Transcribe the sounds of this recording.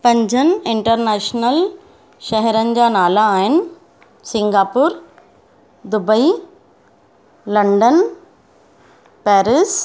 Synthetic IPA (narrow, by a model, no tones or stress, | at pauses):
pɐ̃ɲd͡ʑʱənɪɪ̃ɳʈəɾnɛːʃnəl | ʃɛɦɛɾənɪ̆d͡ʑaːnaːlaːɦɪnɪ̆ | sɪ̃ŋɡaːpʊːɾ | d̪ʊbəi | lɐ̃ɳɖən | pɛːɾɪs